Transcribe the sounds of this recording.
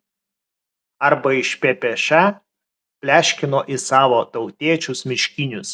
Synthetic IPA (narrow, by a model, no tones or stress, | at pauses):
ɐɾbɐɪʃʲpʲeːpʲɛʃʲæ | pʲlʲæːʃʲkʲɪnoːʔɪsɑːʋoːt̪ɒʊt̪ʲiɛt͡ʃʲʊsmʲɪʃʲkʲinʲʊs